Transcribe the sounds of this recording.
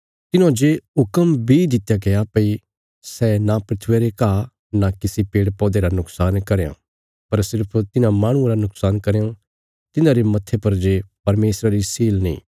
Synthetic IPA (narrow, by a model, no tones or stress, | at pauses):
t̪ɪnãd͡ʒeʊkəmbʱid̪ɪt̪jaɡejapɐi | sɛnapɾɪt̪ʰʋeɾeka | nakɪsipeːɽpɔːd̪eɾanʊksaːnkɐɾeã̰ | pɐɾsɪɾpʰt̪ɪnãmaːɽ̃ʊ̃aɾanʊksaːnkɐɾeã | t̪ɪnãɾemɐt̪ʰːepɐɾd͡ʒepɐɾmeːsɾaɾisiːlnḭ̃ː